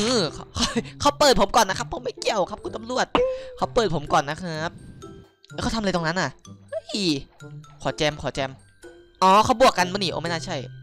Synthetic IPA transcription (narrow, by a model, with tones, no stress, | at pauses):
ʔɯː˧˩kʰkʰɔ˧˩jkʰa˦˩wpɤː˨˩t̪̚pʰo˩˦mkɔː˨˩nːa˦˥kʰa˦˥pʰːo˨˦ma˥˩jki˧˩əwkʰa˦˥p̚ku˧nt̪a˧mɾu˥˩ət̪̚kʰa˦˥˩wpɤː˨˩t̪̚pʰo˩˦mkɔː˨˩nːa˦˥kʰa˦˥p̚ː | jʰka˧˥˩t̪ʰːt̪o˧ŋna˦˥nʔa˨˩hɤ˦˥˩j | kʰɔː˨˩˦t͡ɕɛː˧mkʰɔː˩˦t͡ɕɛː˧m | ʔɔː˧˩kʰa˦˥˩wbu˨˩əkːa˧nmaː˧˥niː˨˩ʔo̰˧˦ma˥˩naː˥˩t͡ɕʰa˥˩j